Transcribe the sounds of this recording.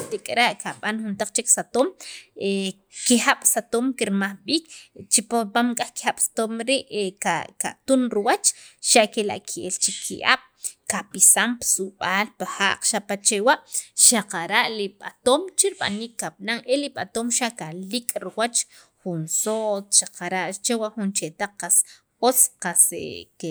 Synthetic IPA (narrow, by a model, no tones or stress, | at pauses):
t̪ikʼɾaʔkaɓanxunt̪aq͡χt͡ʃeksat̪oːm | kixaɓ̥sat̪oːmkiɾmaχɓiːkt͡ʃipapamkʼaχki̥xaɓ̥sḁt̪omɾiʔkaka̰t̪unɾiwat͡ʃʃaʔkela̰ʔkʰiʔelt͡ʃikʰḭʔa̰ːɓ̥kapisampsuɓaːlpaxa̰ːʔqʃapat͡ʃewaʔʃaqaɾaʔliɓat̪oːmt͡ʃiɾɓa̰niːkːaɓ̚naŋeliɓat̪oːmʃaʔkalikʼɾiwat͡ʃχunsot͡sʃaqaɾaʔt͡ʃewaχunt͡ʃet̪aq͡χqas | ot͡sqasḛke